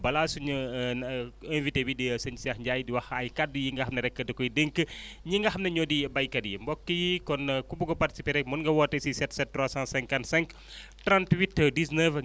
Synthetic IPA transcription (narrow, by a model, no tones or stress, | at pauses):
bɐlasuɲɐ | ɛ̃nvitebidisɐɲisiaxɲɟajdiwɐxɐjkadːujiŋɡɐɦɐmnɐɾɛkːədɐkɔjideŋkəɲiŋɡɐɦɐmnɐɲɔːdibɐjkɐdjḭmbɔkːəjikɔnkumbuɡɔpɐrti̥sipeɾɛkmunŋɡɐwɔːtːɐsisɛtsɛt̚tːɾwasãnsɛ̃ŋkɐntsɛ̃ŋk | tɾãntwitːdisnəv